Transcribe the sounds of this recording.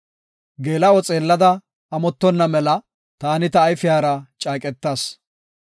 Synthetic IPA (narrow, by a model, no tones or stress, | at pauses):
ɡeːlɐɔt͡sʼeːlːɐd̪ɐ | ɐmɔt̪ːɔnːɐmɛlɐ | t̪aːnɪt̪ɐːjfɪjaːɾɐt͡ʃʼaːkʼɛt̪ːaːs